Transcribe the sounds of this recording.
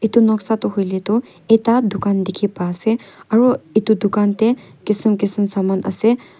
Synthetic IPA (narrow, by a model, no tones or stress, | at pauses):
it̪unɔksat̪ɔɦojlet̪o | et̪ad̪ʊkaːnd̪ikʰipaseɐɾoit̪ud̪ukant̪e | kisəmkisəmsamanə̰se